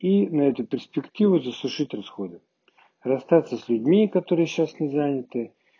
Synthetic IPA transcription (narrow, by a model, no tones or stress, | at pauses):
inɐɛt̪ʊpʲɪrsʲpʲɪktʲivʊzəsʊʂɨtʲrɐsxo̞d̪ɨ | rɐst̪at̪səsʲlʲʉdʲmʲikɐt̪o̞ɾɨjəɕasnʲɪzanʲɪt̪ɨ